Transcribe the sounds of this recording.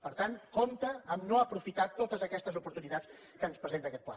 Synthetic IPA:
pəɾt̪ankomt̪əːmnoəpɾufit̪at̪ot̪əzəkɛst̪əzupuɾt̪unit̪at͡s | kənspɾəzent̪əkɛt̪̚pla̰

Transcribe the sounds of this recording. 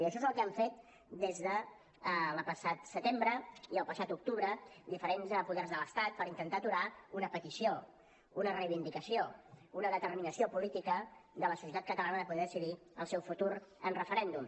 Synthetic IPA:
əʃɔezəlˠkəaɱfet̪̚ | d̪ezðə | lpəsat̪sət̪embɾəiəlˠpəsat̪uk̚t̪uβɾəd̪ifəɾenzəpuðɛrzðələst̪at̪̚pəɾint̪ənt̪at̪uɾaunəpət̪isio | unərəjβind̪ikəsiounəðət̪ərminəsiopulit̪ikəðələsu̥s̬jət̪at̪̚kət̪əlanəðəpuðɛðəsiði | əlˠsɛwfut̪uɾənrəfəɾɛnd̪um

